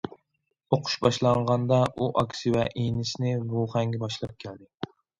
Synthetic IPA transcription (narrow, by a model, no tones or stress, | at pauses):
oqʰʊ̥ʃbɑʃlˠɑɴʁɑnd̪ɑuʔɑkʲsɨvɛʔejnɪʃnɪvuχɛŋɡʲɛbɑʃlˠɑp̚kʲʰæld̪ɪ